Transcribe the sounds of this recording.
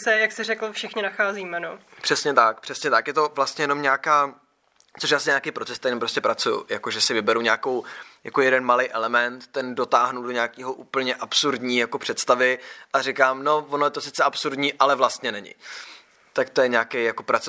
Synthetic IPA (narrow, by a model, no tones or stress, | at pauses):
sɛjaksɛɾɛkl̩fʃɪxɲɪnaxaːziːmɛno | pr̥ɛsɲɛt̪ak̚pr̥ɛsɲɛt̪akjɛt̪o̞vlast̪ɲɛjɛno̞mɲaːkaː | t͡soʃ̬jaːs̬ɪɲaːkejpɾot͡sɛst̪ajnmpɾoscɛpɾat͡sujʊ̰jakoʒɛsɪvɪbɛɾuɲaːko̞wja̰kojɛdɛnmalɛjʔɛlɛmɛnt̪t̪ːɛndo̞t̪aːɦnudoɲaːkiːɦo̞ʔuːpl̩ɲɛʔapsuɾdɲiːjako̞pr̥ɛt̪st̪avɪʔarɪkaːmno̞vonojɛt̪o̞sɪt͡sɛʔapsuɾdɲiːʔalɛvlast̪ɲɛnɛɲɪ̰ | t̪akt̪o̞jɛɲaːkejjako̞pɾat͡s